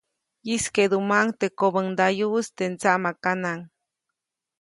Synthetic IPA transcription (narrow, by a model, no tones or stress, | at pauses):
isked̪umaŋt̪ekobəŋd̪ajust̪ent͡saʔmakanaŋ